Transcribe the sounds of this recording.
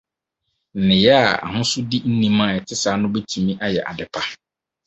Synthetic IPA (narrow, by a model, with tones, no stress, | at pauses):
n̩˨nɪ̃˨jɛ˦a˨a̰˨hʊ̃˦sʊ˦di˦n̩˦nĩ˦mãː˦˨ɛ˨tʰɪ˦saː˨˦nʊ̃˦bɛ˦tʰũ˨mĩ˦ʔa˦jɛ˨ʔa̰˨dɪ˨pʰa˦